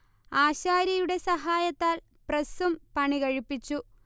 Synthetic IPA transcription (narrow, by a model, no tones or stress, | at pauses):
aːɕaːɾjɐjuɽe̞sɐɦaːjɐt̪ːaːl | prɐsumpɐɳiɣɐɻipːit͡ɕːu